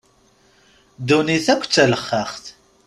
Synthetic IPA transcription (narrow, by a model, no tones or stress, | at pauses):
d̪uniθækʷːt͡sːæləχːəχθ